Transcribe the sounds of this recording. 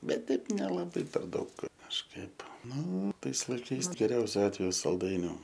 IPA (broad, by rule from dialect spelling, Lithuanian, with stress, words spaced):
ˈbʲɛt ˈtʲɛɪp nʲɛlˠɐˈbɐɪ pʲɛr ˈdɐʊk kɐʃˈkɐɪp ˈnʊ ˈtɐɪs lˠɐɪˈkɐɪs ɡʲɛˈrʲɛʊsʲʊ ˈɑːtʲʋʲɛjʊ sɐlˠˈdɐɪnʲʊ